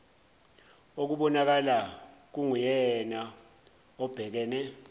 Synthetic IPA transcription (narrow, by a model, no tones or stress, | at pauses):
ok̬uɓɔnak̬alak̬uŋujɛna | ɔb̥ʱɛk̬ɛːnɛ